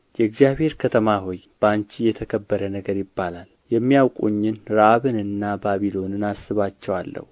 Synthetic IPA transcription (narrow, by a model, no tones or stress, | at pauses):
jɛɨɡzijaβhe̞ɾkʰət̪ʰəmaɦo̞j | b̥ant͡ʃijɛt̪ʰəkʰəbːəɾənəɡəɾjɪbːalal | jɛmːijawkʼuɲːɨnɾaβɨnɨnːabaβilo̞nɨnasːɨβat͡ʃːɛwalːə̰hu